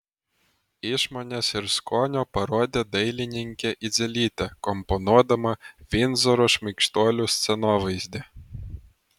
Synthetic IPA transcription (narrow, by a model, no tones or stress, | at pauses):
iʃmɔnʲɛsɪɾskɔnʲɔpɐɾɔd̪ʲɛd̪ɛjlʲɪnʲɪŋʲkʲɛʔid̪zʲɛlʲit̪ʲɛkɔmpɔnuɔd̪ɐmɐʋʲinzɔɾɔʃmʲikʃt̪ɔlʲusʲt̪sʲɛnɔʋɨzʲd̪ʲɛ